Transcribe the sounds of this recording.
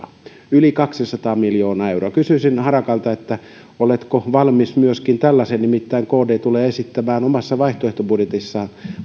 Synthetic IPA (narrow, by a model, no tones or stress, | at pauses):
ylikɑksisɑt̪ɑːmiljoːnɑːeuroɑkysyːˑsinhɑrɑkɑlt̪ɑet̪ːæ | olet̪koʋɑlmismyøskint̪ælːæsennimit̪ːæiŋkoːdeːt̪uleːesit̪ːæmæːnomɑsːɑʋɑiht̪oeht̪obudjet̪isːɑːn